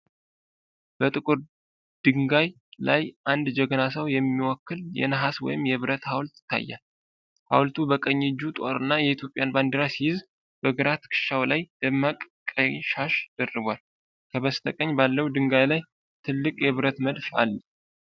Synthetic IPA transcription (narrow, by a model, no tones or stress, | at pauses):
b̥ət̪ʼɨkʼɨɾ | d̪̥ɨŋɡaj | lajʔand̪d͡ʒɛɡənasəwjɛmːiwɔkːɨljɛ̰nəɦaswɔ̰jɪmjɛβɨɾət̪hawlt̪ɪ̥t̪ʰːa̰jːa̰l | ha̰wlt̪ʰubəkʼəɲːɪd͡ʒːut̪ʼa̰ɾɨnːajɛit̪ʰjo̞pʼɪjanband̪əɾasihɪz | b̥əɡəɾat̪kʰɨ̥ʃawlajd̪̥əmːakʼkʼəʃaʃd̪̥ərːɨβʷal | kʰəβəst̪ʰəkʼəɲbalːəwd̪ɨŋɡajlaj | t̪ʰɨlːɨkʼjɛβɨɾət̪məd̪fa̰lː